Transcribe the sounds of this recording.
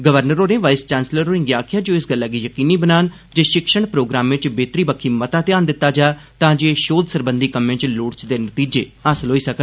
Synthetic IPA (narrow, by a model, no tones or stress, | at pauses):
ɡəʋəɾnəɾoːneːʋaːɪst͡ʃaːnsləɾoːɪ̃ŋɡjaːkʰɪjaːd͡ʒoːɪsɡəlːaːɡiːjəkiːniːbənaːn | d͡ʒeːʃɪkʃəɳpɾoːɡɾaːmʋɪt͡ʃbeːt̪ɾiːbəkʰːiːmət̪ãːt̪ɪjaːnd̪ɪt̪ːaːd͡ʒaː | t̪ãːd͡ʒeʃoːd̪səɾbənd̪iːkəmẽːt͡ʃloːʈt͡ʃd̪eːnət̪iːd͡ʒeːəsəlɦoːiːsəkə